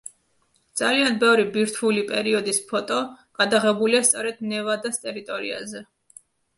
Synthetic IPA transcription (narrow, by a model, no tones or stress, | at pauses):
d̪z̥alianbɛvɾibiɾt̪ʰulipʼɛɾiɔd̪ispʰɔt̪ʼɔɡ̥ad̪aʁɛbuliast̪sʼɔɾɛd̪̥nɛvad̪ast̪ʼɛɾit̪ʼɔɾḭa̰zɛ